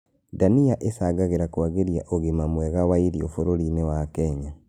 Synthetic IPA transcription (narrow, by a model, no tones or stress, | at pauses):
daniaʔesaɡaɣeɾakuwaɣeɾjaʔoɣemamweɣawaiɾiofoɾoɾinewakeɲa